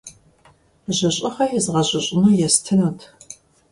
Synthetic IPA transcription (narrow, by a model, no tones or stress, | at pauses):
ʑɐɕʼɪχɐjɛzʁɐɕʼɐɕʼɪnuːjɛstʰɨnɐtʰ